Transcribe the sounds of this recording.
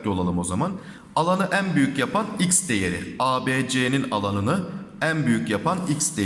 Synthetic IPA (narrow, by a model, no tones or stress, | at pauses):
lʲo̞lˠalˠɯmo̞zaman | alˠanɯʔænbyjycjapʰanicsd̪e̞jeɾɪ̰aːbeːd͡ʒeːninalˠanɯnɯænbyjycjapʰanicsd̪e